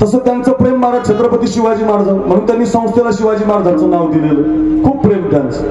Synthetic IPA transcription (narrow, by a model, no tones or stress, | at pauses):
t̪əsət̪jãnt͡sɔpɾemːaɾat͡ɕʰet̪ɾəpət̪iɕiʋad͡ʑiːmaɾd͡zaw̃m̤əɽ̃uːnt̪janisə̃w̃st̪ʰjelaɕiʋad͡ʑiːmaɾd͡zʱãnt͡sonawd̪ileləkʰuːbpːɾemɡant͡s